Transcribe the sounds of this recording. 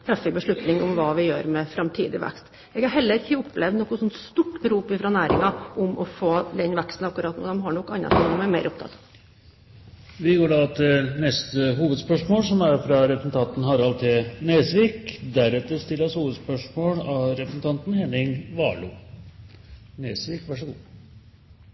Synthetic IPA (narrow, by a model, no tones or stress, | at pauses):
t̪ʰɾɑfːɪk̚bəʂɭʉt̪nɪŋʊmʋɑːʋɪjø̰ːɾmɛfɾɑmt̪ʰḭːd̪ɪ̰ʋæ̰kst̪ | ɛːɡhɑɾɦɛlːəɾɪçːəʊpːlɛʋd̪nɔkːʊsɔnt̪st̪uʈːbəɾuːpɪfɾɑnæːɾɪ̰ŋɑʔʊmʔɔfoːd̪ɛnʋækst̪n̩ɑkːʉɾɑːt̪nṵːd̪ɛmɦɑɳɔkːɑnːɑ̰t̪ʰɪŋd̪ɛmæɾmeɪɾʔʊp̚t̪ʰɑ̰t̪ːɑ | ʋɪɡoːɖɑt̪ɛnɛst̪əɦuːʋəd̪spœʂmoːlsɔmæɾfɾɑɾɛpɾəsn̩t̪ʰɑnt̪n̩ɦɑɾɑlt̪ʰɪneːsʋiːkd̪æɾɛt̪ːəɾst̪ɪlːəshuːʋəd̪spœʂmoːlɑɾɛpɾəsn̩t̪ʰɑnt̪nhɛnɪŋʋɑ̰ːɭṵː | neːsʋiːkʋæʂəɡuː